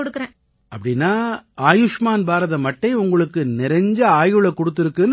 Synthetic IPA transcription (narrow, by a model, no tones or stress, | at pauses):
ɔɽɯkːɯɾẽː | ɐpːɐɽɪnːaːaːjɯʂmaːnbaːɾɐðɐmɐʈːɐɪʊŋɡɐɭɯkːɯnɪɾɐɲd͡ʒɐaːjɯɭɐkɔɽɯt̪ːɪɾɯkːɯ